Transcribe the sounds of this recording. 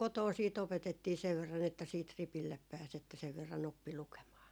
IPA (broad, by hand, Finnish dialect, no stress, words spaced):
kotoː siːt opetetːiː seʋ ʋerːɑn etːæ siːt ripilːep pæːs etːæ seʋ ʋerːɑn opːi lukemɑː